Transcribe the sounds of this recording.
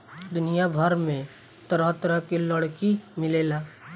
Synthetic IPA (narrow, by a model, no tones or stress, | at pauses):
d̪ʊnijabʱəɾmẽ | t̪əɾət̪ɾəkiləɽkimɪleːlaː